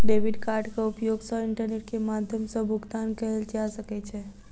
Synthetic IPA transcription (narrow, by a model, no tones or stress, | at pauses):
ɖebiɖkaɾɖkeupjoɡsə̃iɳʈəɾneʈ̚kemad̪ʱjəmsə̃buɡt̪ankəɦeld͡ʒasəkɛt͡ʃʰɛ